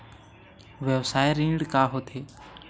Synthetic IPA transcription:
ʋjəʋsaːjeɾĩːɳɖkaːɦoːt̪ʰeː

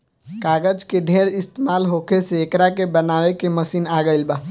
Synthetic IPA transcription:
kaːɡəd͡ʒkeɖʱeɾɪst̪emaːlɦokʰeseːkɾakebənaːʋekeməsiːnaɡəɪlba

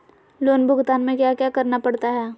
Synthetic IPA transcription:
loːnbʱʊɡt̪aːnmẽkjakjakɐɾnapɐɽt̪aɦɛː

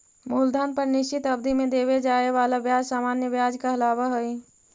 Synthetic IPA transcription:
muːld̪aːnpəɾnɪʃt͡ʃɪt̪əbd̪ʱimẽd̪eβed͡ʒaːeaːlabjaːd͡ʒsaːmaːnjəʋjaːd͡ʒkaɦəlaːbaɦəi

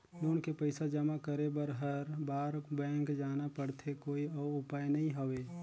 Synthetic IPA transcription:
loːnkepəɪsad͡ʒɐmakəɾebəɾɦəɾbaːɾkbɛ̃ːŋkd͡ʒaːnapəɽt̪ʰekoːiɔːʊpaːjnɐɦĩɦoʋeː

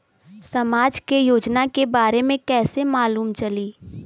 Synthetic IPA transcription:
sɐmaːd͡ʒkejoːd͡ʒnakebaːɾemẽkɛːsemaːluːmt͡ʃɐliː

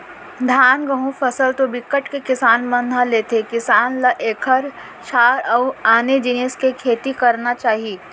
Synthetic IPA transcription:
d̪ʱaːnɡəɦũfʰɐsəlt̪obɪkːəʈkekɪsaːnmə̃nd̪ʱaleːt̪ʰekɪsaːnlɐʔeːkʰəɾ | ʃaːɾɔːaːned͡ʒɪneːskekʰeːt̪ikɐɾnat͡ʃaːɦieː

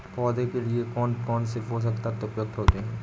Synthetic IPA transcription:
pɔːd̪ekeliekɔːnkɔːnsefɦos̬ɐkt̪at̪ʊpjʊɡ̚t̪ɦoːt̪eɦɛ̃ː

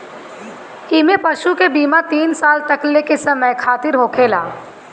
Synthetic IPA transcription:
ɪmẽpɐʃukebiːmat̪iːnsaːlt̪ɐklekesɐməjkʰaːt̪ɪɾɦoːkʰeːla̰ː

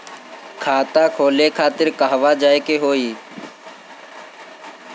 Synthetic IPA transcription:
kʰaːt̪ãːkʰoːleːkʰaːt̪ɪɾkaɦʋaːd͡ʒaːeːkeːɦoːiː

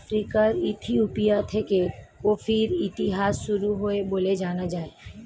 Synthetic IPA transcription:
fʰɾikaɾɪt̪ʰiupijat̪ʰekeopʰɪɾɪt̪ɪɦaːsʃʊɾuɦoeboːled͡ʒaːnad͡ʒaːe

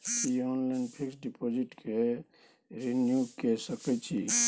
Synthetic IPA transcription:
iɔːnlajnpʰiksɖipʰod͡ʒiʈkʰe | ɾenjukesəkɛt͡ʃʰi

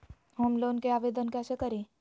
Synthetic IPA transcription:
ɦomloːnkeaːʋeːd̪ənkɛsekəɾẽ

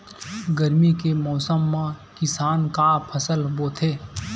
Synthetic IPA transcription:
ɡəɾmikemɔːsəmːãkɪsaːnkapʰəsəlboːt̪ʰeː

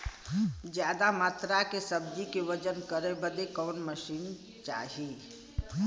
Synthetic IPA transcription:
d͡ʒjad̪amat̪ɾakesəbd͡ʒ̪ikeʋəd͡ʒənkəɾɛbəd̪ekɔːnməʃiːn | t͡ʃa̰ɦi

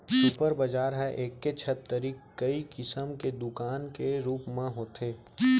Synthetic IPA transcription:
suːpəɾbɐd͡ʒaːɾɦɛʔeːkːet͡ʃʰɐt̪ːəɾiːkkəikɪsəmked̪ʊkaːnkeɾuːpmẽɦoːt̪ʰeː

